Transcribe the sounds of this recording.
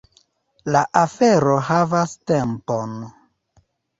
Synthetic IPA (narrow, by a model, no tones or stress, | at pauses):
laʔafeɾo̞ɦavastempo̞n